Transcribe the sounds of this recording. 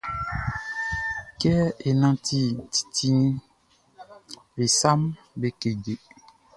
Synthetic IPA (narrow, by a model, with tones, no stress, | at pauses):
kɛ˦e˨nã˨tʰi˦ti̥˨tʰĩ˦ | be˨sa˦m | be˦ke˨d͡ʒe˨